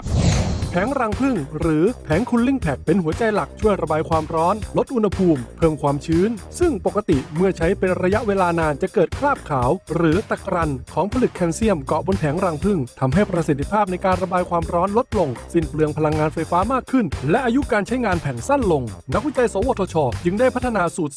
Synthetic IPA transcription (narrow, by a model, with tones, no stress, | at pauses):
pʰɛː˩˦ŋɾaː˧ŋpʰɯ˥˩ŋɾɯː˩˦pʰɛː˩˦ŋkʰu˧nli˥˩ŋpʰɛ˨˩k̚pe˧nhu˩˦ɐt͡ɕa˧jla˨˩k̚t͡ɕʰu˥˩əjɾa˧baː˧jkʰwaː˧mɾɔː˦˥nlo˦˥t̪̚ʔu˧nha˧pʰuː˧mpʰɤː˧mkʰwaː˧mt͡ɕʰɯː˦˥nsɯ˥˩ŋpo˨˩kːa˧t̪i˨˩mɯ˥˩ɐt͡ɕʰa˦˥jpe˧nɾa˧ja˦˥ʔweː˧laː˧naː˧nt͡ɕa˨˩ʔkɤː˨˩t̪̚kʰɾaː˥˩p̚kʰaː˩˦wɾɯː˩˦t̪a˨˩kɾa˧nkʰɔː˩˦ŋpʰa˧lɯ˨˩kʰːɛː˧nsi˥˩əmkɔ˨˩ʔbo˧npʰɛː˩˦ŋɾaː˧ŋpʰɯ˥˩ŋt̪ʰa˧mɦa˥˩jpɾa˧si˨˩t̪ʰi˧pʰaː˥˩p̚na˧jkaː˧nɾa˧baː˧jkʰwaː˧mɾɔː˦˥nlo˦˥t̪̚lo˧ŋsi˧˩nplɯ˧əŋpʰa˧la˧ŋːaː˧nfa˧jfaː˦˥maː˥˩kʰːɯ˥˩nlɛ˦˥ʔaː˧ju˦˥kaː˧nt͡ɕʰa˦˥jŋaː˧npʰɛː˩˦ŋsa˥˩nlo˧ŋna˦˥k̚wi˦˥t͡ɕa˧jso˨˩˦woː˨˩t̪ʰːɔː˧t͡ɕʰɔː˧t͡ɕɯ˧ŋdaː˥˩jpʰa˦˥t̪ʰːa˧naː˧suː˨˩t̪̚